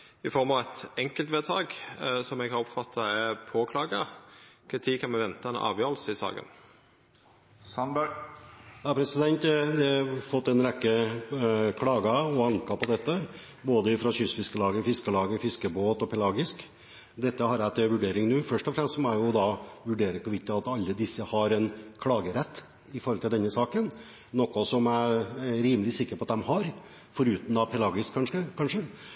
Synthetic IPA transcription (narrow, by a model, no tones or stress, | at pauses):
ɪfɔɾmɑʋɛt̪ɛŋkəlt̪ʋeːt̪ʰɑːɡsɔmɛɡɑɾɔpfɑt̪ʰːɑɛpʰoːkʰlɑːɡəkʰɾɪt̪ʰiːkʰɑnmɛʋɛnt̪ɑɛnɑ̰ːʋjøːɾlsəɪsɑ̰ːɡə̰n | jɑːpʰɾɛsɪd̪ɛnt̪d̪ɛfɔt̪ːɛnɾɛkːə | kʰlɑːɡɑɔɑŋkɑpɔd̪ɛt̪ːə | boːd̪əɪfɾɑɕʏsfɪskəlɑːɡəfɪskəlɑːɡəfɪskəboːt̪ɔpʰɛlɑːɡɪsk | d̪ɛt̪ːəhɑɾæt̪ʰəʋʉɖeːɾɪŋnuːfœʂʈɔfɾɛmst̪mɔæɪjʊd̪ɑʋʉɖeːɾəkʰɔʋɪkt̪ɪɑt̪ɑlːəd̪ɪsːəhɑɾɛnkʰlɑːɡəɾɛt̪ː | ɪfɔɾɔlt̪ɪld̪ɛnːəsɑːkən | nɔkːʊsɔmææɾiːməlɪsɪkːəɾpʰɔɑt̪̚d̪ɛmhɑɾ | fɔɾʉːt̪n̩ɑpʰɛlɑːɡɪskʰːɑnʂəkʰɑnʂə